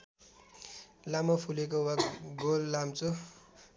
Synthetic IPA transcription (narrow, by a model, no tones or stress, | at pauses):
lamʌpʰulek̬owaɡolːamt͡so